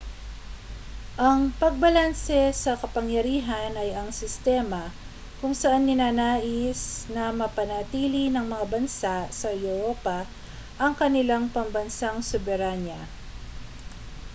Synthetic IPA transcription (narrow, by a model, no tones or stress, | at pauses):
ʔɐŋpɐɡ̚bɐlansɛsɐkɐpɐŋjɐɾiːɦɐnɐjɐŋsɪst̪ɛːmɐ | kʊŋsɐʔanːɪnaːnaːʔɪsnɐmɐpɐnɐt̪iːlinɐŋmɐŋabɐnsaʔsɐɛɾoːpa | ʔɐŋkɐnɪlaŋpɐmbɐnsaŋsʊbɛɾanjɐ